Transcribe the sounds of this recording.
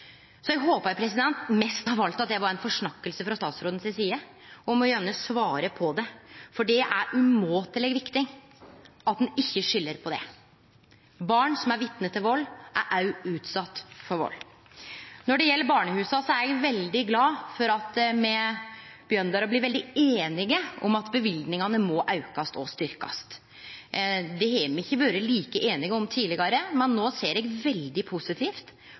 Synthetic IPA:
sɔjɛɡɦoːpəɾpʰɾɛsɪd̪ɛnt̪mɛst̪hɑɾʋɑlt̪ɑt̪̚d̪ɛʋɑɾɛnfɔʂɳɑkːəlsəfɾɑst̪ɑːt̪sɾoːd̪n̩sɪsiːə | ɔmɔjænəsʋɑːɾəpʰɔd̪ɛfɔɖɛʔæɾʉmoːt̪ʰɪlɛɡʋɪkt̪ɪŋ | ɑt̪̚d̪ɛnɪçːəʂʏlːəɾpʰɔd̪ɛ̰ | bɑːɳsɔmæɾʋɪt̪nət̪ʰːɪlʋɔlːʔæ̰ɾʔɑʉʉːt̪sɑt̪ːfɔɾʋɔ̰lː | nɔɖɛjɛlːəɾbɑːɳəhʉːsɑsɔæɾɛɡʋɛld̪ɪɡlɑːfɔɾɑt̪mɛ | b̥jœnd̪ɑɾɔbliːɾʋɛld̪ɪeːnɪɡəʔɔ̰mɑt̪bəʋɪld̪nɪŋɑnəmɔːʔɑʉkɑst̪ɔst̪ʏɾkɑ̰st̪ | d̪ɛɛmɛɪçːəʋɑːɾəliːkəʔeːnɪɡəɔmt̪ʰiːlɪɡɑɾəmɛnːoːseːɾɛɡʋɛld̪ɪpʰʊsɪt̪ʰiːft̪

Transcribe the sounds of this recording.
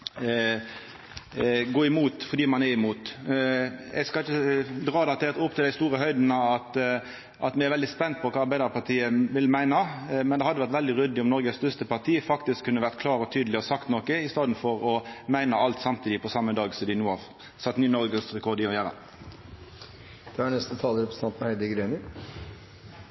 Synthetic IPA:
ɡoːɪmuːt̪fɔʁd̪iːmɑnɛɪmuːt̪ | ɛ̰ɡskɑɪçəd̪ʁɑːd̪ɛɑt̪ʰːɛʁt̪ʊp̚ːt̪ʰɪld̪æɪst̪uːʁəɦœʏd̪n̩ɑɑt̪ | ʔɑt̪mɪæɛɾʋɛld̪ɪspɛnt̪̚pʰɔkʰɑːɑɾbæɪd̪əɾpɑʁt̪ʰiːəʋɪlmæɪnɑmɛnd̪ɛhɑd̪ːəʋæʁɾt̪ʋɛld̪ɪʁʏd̪ɪɔmnɔɾɡəst̪œʁst̪əpɑʁt̪ʰiːəfɑkt̪ɪskʰːʉnːəʋæʁt̪̚kʰlɑːʁɔt̪ʰyːd̪lɪɔsɑkt̪nɔkəɪst̪ɑːd̪n̩fɔʁɔmæɪnɑɑlt̪sɑmt̪ʰiːd̪ɪpʰɔsɑmːəd̪ɑːɡsɔmd̪ɪnuːɑʁ | sɑt̪ːnyːnɔʁɡəsʁɛkʰɔʁd̪ɪɔjæːɾə̰ | d̪̥ɛæɳnɛst̪ət̪ʰɑːləɾɛpɾəsn̩ʰɑnt̪mɛhæɪd̪ɪɡɾeːnɪ

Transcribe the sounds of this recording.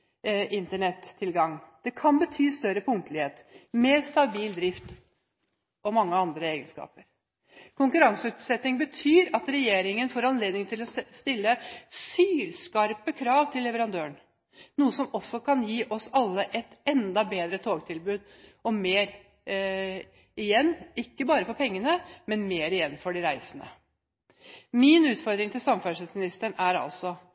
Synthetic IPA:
ɪnt̪əɳɛt̪ʰːɪlɡɑŋːd̪̥ɛkʰɑnbət̪ʰyːst̪œɾəpʰʊŋt̪əlɪheːt̪meːɾst̪ɑbiːld̪ɾɪft̪ | ɔmɑŋːəɑnd̪ɾəeːɡənskɑ̰ːpəɾ | kʰʊŋkʉɾɑŋsəʉːt̪sɛt̪nɪŋbət̪ʰyːɾɑt̪ɾɛjeːɾɪŋənfoːɾɑnleːd̪nɪŋt̪ʰɪlɔst̪ɪlːəsyːlskɑɾpəkʰɾɑːʋt̪ʰɪlːɛʋəɾɑnd̪øːəɳ | nuːəsɔmɔsːɔkʰɑnjiːʔɔsɑlːəʔɛt̪ɛnd̪ɑbeːd̪ɾət̪ʰoːɡt̪ʰɪlbʉːd̪ | ɔmeːɾ | ɪjɛnːɪkːəbɑːɾəfɔɾpʰɛŋːənəmɛnmeːɾɪjɛnːfɔɖɪɾæɪsənə̰ | mɪnʉːt̪fɔɾd̪ɾɪŋt̪ɪlsɑmfæʂəsmɪnɪst̪əɳæɾɑ̰lsɔ

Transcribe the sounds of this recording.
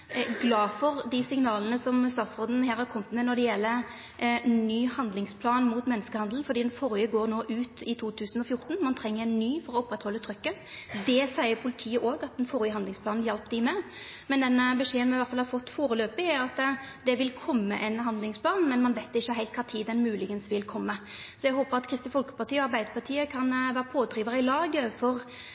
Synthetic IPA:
ɡlɑːfɔɾd̪ɪsɪŋnɑːlənəsɔmst̪ɑːt̪sʁoːd̪n̩hæːɾhɑɾkʰɔmːət̪mɛnɔd̪ɛjɛlːə | nnyːhɑnd̪lɪŋspʰlɑːnmuːt̪mɛnːəskəhɑnd̪ln̩fɔɾd̪iːd̪ɛnfɔɾjəɡoːnoːʔʉːt̪ɪt̪ʰuːt̪ʰʉːsən̩ɔfjʊɾt̪n̩mɑnt̪ʰɾɛŋːəɾɛnːyːfɔɾɔʊpːʁɛt̪hɔlːət̪ʰɾʏkːə | d̪ɛsæɪəɾpʰʊlɪt̪ʰiːəʔoːɡɑt̪̚d̪ɛnfɔɾjəhɑnd̪lɪŋsplɑːnn̩jɛlp̚d̪ɪmɛ | mɛnd̪ɛnəbəʂeːənmɛʋæʁt̪fɑlhɑɾfɔt̪ːfoːɾəløːpɪæɾɑt̪d̪ɛʋɪlkʰɔmːəʔɛnɦɑnd̪lɪŋspʰlɑːnmɛnmɑnʋæɪt̪ɪçːəɦæɪlt̪kʰɑːt̪ʰiːd̪ɛnmʉːlɪɡənsʋɪlkʰɔmːə | sɔjɛɡɦoːpəʁɑt̪kʰɾɪst̪ɪfɔlkə̥pɑʁt̪iːɔɑɾbæɪd̪əpʰɑt̪ʰiːəkʰɑnʋæːʁəpʰoːd̪ɾiːʋəʁəɪlɑːɡəfɔʁ

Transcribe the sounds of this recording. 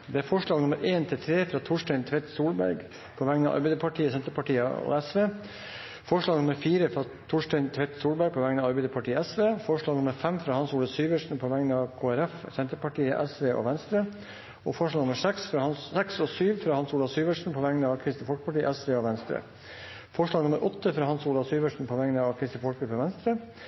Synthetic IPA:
d̪ɛæɾfɔʂɭɑːɡnʊməɾʔeːnt̪ʰɪlt̪ʰɾeːfɾɑːt̪ʰʊʂʈɛɪnt̪ʰʋɛɪt̪suːlbæ̰ɾɡ | pʰɔʋæŋnɑ̰ʔɑ̰ɾbɛæɪd̪əpʰɑʈʰiːəsɛnt̪əɾpʰɑʈiːəɔ̰ɛsʋeː | fɔʂɭɑːɡnʊməɾfiːɾəfɾɑ | t̪ʰʊʂʈɛɪnt̪ʰʋɛɪt̪suːlbæɾɡ̚pʰɔʋæŋənɑʋɑɾbɛɪd̪əpʰɑʈʰiːəɛsʋeːfɔʂɭɑːɡnʊməɾfɛmfɾɑːhɑnsuːlɑsyːʋəʂn̩pʰɔʋæŋnɑʋkʰoːæɾɛfsɛnt̪əpɑʈiːəʔɛsʋeːʔo̰ʋɛnst̪ɾə | ɔ̰fɔɭɑːɡnʊməʂɛksfɾɑːhɑnssɛksɔsyːʋfɾɑːhɑnsuːlɑʋsyːʋəʂɳ̩pʰɔʋæŋnəɑʋkʰɾɪst̪ɪfɔlkəpɑʈiːʔɛsʋeːɔʋɛnst̪ɾə̰ | fɔʂɭɑːɡnʊməɾʔɔt̪ːəfɾɑːhɑnsuːlɑʋsyːʋəʂɳ̩pʰɔʋɛŋnəɑʋkʰɾɪst̪əfɔlkɾʉpːəʋɛnst̪ɾə

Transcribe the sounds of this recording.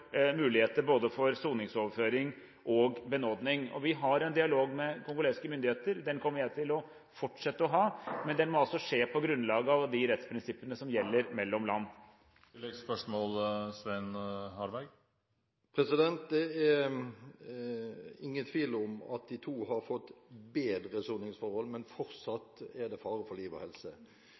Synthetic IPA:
mʉːlɪheːt̪əboːd̪əfɔɾsuːnɪŋsɔːʋəføːɾɪŋ | ʔɔɡbənoːd̪nɪŋɔ̰ʋɪɦɑɾɛnd̪ɪɑloːɡmɛkʰʊŋɡʊleːskəmʏnd̪ɪheːt̪əɾd̪ɛnkʰɔmːəɾjæɪt̪ʰɪlɔ | fɔʈʂɛt̪ːəɔɦɑːmɛnd̪ɛnmɔɑlsɔʂeːpʰɔɡɾʉnlɑːɡəɑʋd̪ɪɾɛt̪spʰɾɪnsɪpːənəsɔmjɛlːəɾmɛlːɔmlɑ̰nː | lɛɡspœʂmɔːlsʋæɪnhɑɾʋæɡ | pʰɾɛsɪd̪ɛnt̪̚d̪ɛɛ | ɪŋːənt̪ʰʋiːlɔmɑ̰t̪̚d̪ɪt̪ʰuːhɑɾfɔt̪ːbeːd̪ɾəsunɪŋsfɔɾhɔlːmɛnfɔɾsɑt̪ːɛd̪ɛfɑːɾəfɔliːʋə̰hɛlsə

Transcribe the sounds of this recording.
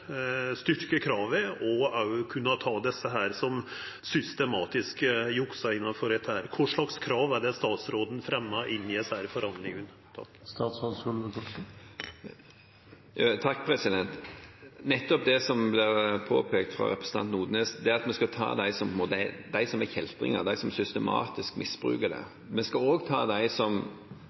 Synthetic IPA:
st̪ʏɾkəkʰɾɑːʋəɔɑkʰʉnːɑt̪ʰɑːd̪ɛsːəɦæːɾsɔm | sʏst̪ɛmɑːt̪ɪskəjʊksɑɪnːɑnfɔɾɛt̪hæːɾkʰʊʂɭɑkskʰɾɑːʋæɖɛst̪ɑːt̪sɾoːd̪n̩fɾɛmːɑʔɪnːɪɛsæɾfɔɾhɑnd̪lɪŋən | t̪ʰ | st̪ɑːt̪sod̪ɔlʋəkʰɔ | t̪ʰɑkːpʰɾɛsɪd̪ɛnt̪nɛt̪ːɔp̚d̪ɛsɔmblɪɾpʰo̰ːpʰeːk̚t̪fɾɑ̰ɾɛpɾəsn̩ɑ̰nt̪nuːd̪neːsd̪ɛæɑt̪mɛskɑt̪ʰɑ̰ːd̪æɪsɔmpʰɔɛnmoːt̪d̪æɪsɔmɛkhɛlt̪ɾɪ̰ŋə̰d̪æɪsɔmsʏst̪ɛmɑ̰ːt̪ɪskmɪsb̥ɾʉ̰ːkəd̪ɛ̰ | mɛskɑoːɡt̪ʰɑ̰ːd̪æɪsɔm

